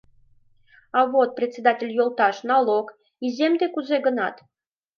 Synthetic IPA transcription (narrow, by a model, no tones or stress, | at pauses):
ɑβot̪̚prʲet͡sʲːed̪atʲelʲjolˠt̪ɑʃnɑlˠok | izʲemd̪ekuzeɡənɑt̪